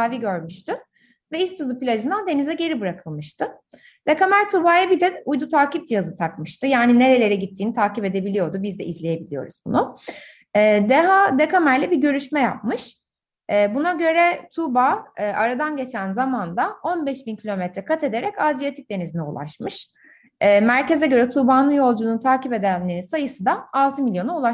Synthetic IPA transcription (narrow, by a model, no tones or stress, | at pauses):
aːviɟøɾmyʃt̪ʰy | vɛist̪ʰuzupilʲad͡ʒɯnd̪and̪e̞nizɛɟe̞ɾibɯɾakʰɯlˠmɯʃt̪ʰɯ | d̪̥ekamæɾt̪ʰubaːjabid̪ɛujd̪ut̪ʰaːcip̚d͡ʒijazɯt̪ʰakmɯʃt̪ʰɯjaːnine̞ɾe̞lʲe̞ɾɛɟit̪ʰːiːnit̪ʰaːcipe̞d̪e̞bilʲijo̞ɾd̪ubizd̪ɛʔizlʲeje̞bilʲijo̞̰ɾuz̥bunu | ɛːd̪ɛɦad̪ekamæɾlʲɛbiɾɟø̞ɾyʃmɛja̰p̚mɯʃ | ɛːbunaɟø̞ɾɛt̪ʰubaːʔaɾad̪anɟe̞t͡ʃʰænzamand̪ao̞nbɛʃbincʰilʲo̞mɛt̪ɾɛkʰat̪ʰe̞d̪e̞ɾɛcad̪ijat̪ʰic̚d̪e̞nizinɛṵlˠa̰ʃmɯʃː | mæɾce̞zɛɟø̞ɾɛt̪ʰubaːnɯnjo̞lˠd͡ʒunt̪ʰaːcipe̞d̪ænlːʲe̞ɾinsajɯsɯd̪aalˠt̪ʰɯmilʲjo̞naulˠaʃ